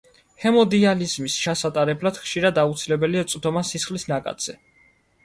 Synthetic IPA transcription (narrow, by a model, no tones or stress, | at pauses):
hɛmɔd̪ializmist͡ʃʰasat̪ʼaɾɛblad̪̥χʃiɾad̪aut̪sʰilɛbɛliat̪sʼd̪ɔmasisχlisnakʼa̰t̪z̥ɛ